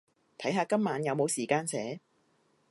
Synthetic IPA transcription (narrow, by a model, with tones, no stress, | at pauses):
t̪ʰɐ˨˥jɦaː˧kɐ˥mːaː˨˥njɐ˨˧wmo˨˧wsiː˨˩kaː˧nsɛː˨˥